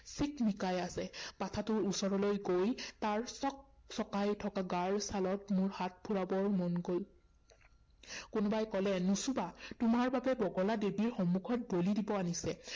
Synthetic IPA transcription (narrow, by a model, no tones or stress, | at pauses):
sikmikajasɛpatʰatʊɹusɔɹɔlojɡojtaɹsɔk̚sɔkajtʰɔkaɡaɹsalɔtmʊɹhat̚pʰuɹabɔɹmɔnɡol | kʊnʊbajkɔlɛnusubatʊmaɹbabɛbɔɡɔladebiɹxɔmːukʰɔt̚bolidibɔanisɛ